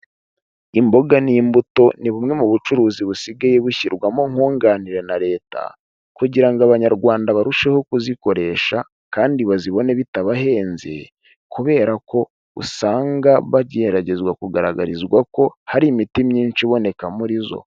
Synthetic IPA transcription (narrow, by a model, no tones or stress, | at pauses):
imbo̞ɡanimbuto̞niβumŋe̞muβut͡ʃuɾuːziβusiɡajeβuçiɾɡwamoŋ̥oːŋɡaniɾe̞naɾe̞ːta̰ | kuɟiɾaŋɡaβaɲaɾɡwaːndaβaɾuʃe̞ho̞kuziko̞ɾe̞ʃa | kaːndiβaziβo̞ne̞βitaβaɦe̞ːnzḛ | kuβe̞ːɾako̞ | ṵsaːŋɡaβaɟeeɾaɟe̞zɡwakuɡaɾaɡa̰ɾizɡwako̞haɾimitimɲiːnt͡ʃiβo̞ne̞kamuɾizo̞̰